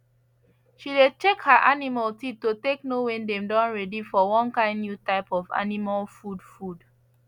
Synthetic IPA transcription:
ʃilet͡ʃekhaʔanimaltitːoteknowɛ̃ndɛ̃mdɔ̃nɹɛdifɔwɔ̃nkãɪ̃nːjutaɪpɔva̰nimalfudfud

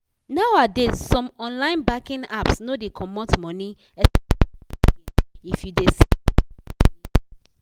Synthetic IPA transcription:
nawadesɔ̃mɔ̃nlãɪ̃nbakĩnapsnodekʰɔmɔtmɔ̃ni | ɛ | ifjudes

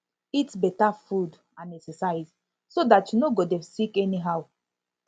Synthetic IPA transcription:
itsbɛtafud | ãnɛksɛsaɪz | sodatjunoɡodɛ̃msikɛniɦaʊ

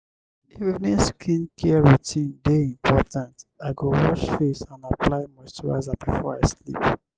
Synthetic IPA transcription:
ifivnĩnskʰĩnkʰɛɹutʰĩndeĩmpʰɔtãntaɪɡowɔt͡ʃfesãnaplaɪmaɪstɹa̰zabifɔɹaɪslḭp

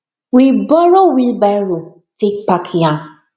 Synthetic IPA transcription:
wibɔɾowilbaɾu | tekpakʰjã

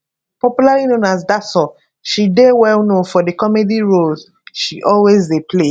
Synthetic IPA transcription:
pɔpjulalinõnazdasɔ | ʃidewɛlnofɔdekɔmediɹol | ʃiʔɔlwezdepʰle

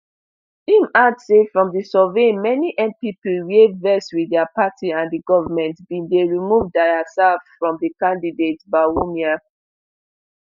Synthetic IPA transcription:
ĩmadsefɹɔ̃mdisɔvẽnmɛniʔɛ̃mpipwevɛswiddɛapatʰiãndiɡɔvamɛ̃ntbĩndeɹimuvdaɪasaffɹɔ̃mdikãndidetbawomia

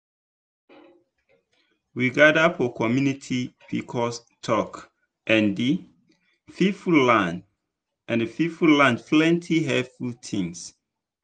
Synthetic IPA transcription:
wiɡadafɔkʰɔmjunitʰipikʰɔs | tʰɔk | ʔɛ̃ndi | fifullãnd | ɛ̃nəfifullãnpʰlɛ̃ntʰiɦɛtfultʰĩŋs

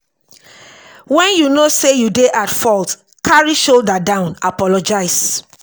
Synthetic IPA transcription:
wɛ̃njunosejudeʔatfɔlt | kʰaɹiʃoldadãʊ̃napɔlɔd͡ʒaɪs

